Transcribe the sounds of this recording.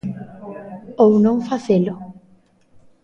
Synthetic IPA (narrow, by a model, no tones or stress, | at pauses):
ownõŋfaθelʊ